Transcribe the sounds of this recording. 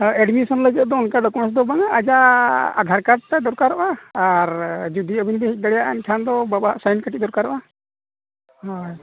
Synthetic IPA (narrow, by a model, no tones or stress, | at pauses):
ɛɖmisɔnləɡɛt̪d̪ɔɔnkaɖɔkɔnɔsd̪ɔbaŋaʔːd͡ʒaa̰d̪ʱaɾkaɾ̚t̪ad̪ɔɾkaɾɔʔaaɾd͡ʒud̪iəbinbɛhik̚ˀɡ̪aɽɛjaʔankʰand̪ɔbabaɦa̰ʔsajnkaʈiʔ̚d̪ɔɾkaɾɔʔa | hɔj